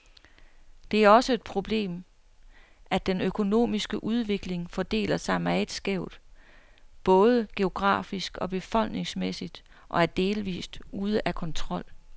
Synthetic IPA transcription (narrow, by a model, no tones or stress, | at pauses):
d̥e̝æɐɒ̽səe̝d̥̚pʰʁo̝b̥le̝̰ːm | ʔæd̥enøkʰo̝no̝̰ːmisɡ̥əʔuð̞ˠʋe̝ɡ̥le̝ŋfɒ̽d̥e̝̰ːlɐsɑ̈ɪmæd̥sɡ̥eʊd̥ | b̥ɔ̽ːð̞ˠəɡ̥e̝o̝ɡ̥ʁɑ̰̈ːfisɡ̥ɒ̽b̥e̝fɒ̽l̰ɡ̥ne̝ŋsmesid̥ | ʔɒ̽æɐd̥e̝ːlʋḭːsd̥uð̞ˠəʔækʰɒ̽nt͡sʰʁɒ̽l̰